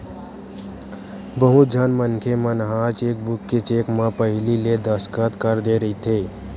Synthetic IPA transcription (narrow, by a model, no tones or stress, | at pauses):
bəɦʊt̪̚d͡ʒʱənmənkʰemə̃nɦaːt͡ʃeːk̚bʊkːet͡ʃeːkmãpəɦɪliled̪əskət̪kəɾd̪eɾəɦit̪ʰeː